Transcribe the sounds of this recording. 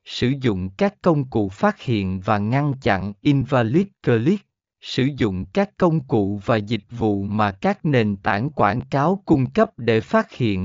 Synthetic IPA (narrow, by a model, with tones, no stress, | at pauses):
sɨ˧˩zʊ̰˧˨ŋ͡mkaː˦˥kːə˧wŋ͡mkṵ˧˨faː˦˥t̚hḭ˧˨ənvaː˨˩ŋa˧nt͡ɕa̰˧˨nʔi˧nvaː˧li˦˥t̚kəː˧li˦˥t̚ | sɨ˧˩zʊ̰˧˨ŋ͡mkaː˦˥kːə˧wŋ͡mkṵ˧˨vaː˨˩zï˨˩k̟̚vṵ˧˨maː˨˩kaː˦˥k̚ne˨˩nt̪aː˧˩nkwaː˧˩nkaː˨˦wkʊ˧ŋ͡mkə˦˥p̚ɗe˧˩faː˦˥t̚hḭ˧˨ən